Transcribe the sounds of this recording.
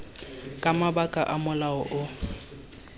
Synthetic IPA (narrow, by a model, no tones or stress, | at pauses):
kʼamabakʼa̰ʔamʊlaɔʔʊ